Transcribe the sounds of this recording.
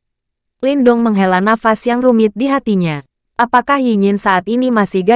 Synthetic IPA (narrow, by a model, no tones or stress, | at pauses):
lindʊŋməŋɦelanafasjaŋrumɪt̪̚diɦat̪iɲa | ʔapakahjiɲɪnsaʔat̪inimasihɡa